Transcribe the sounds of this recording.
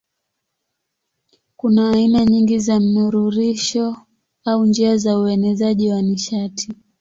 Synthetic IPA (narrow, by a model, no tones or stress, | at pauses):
kunaːinaɲiŋɡizam̩nuɾuɾiʃɔ | aund͡ʒiazauɛnɛzaʄiwaniʃatʰi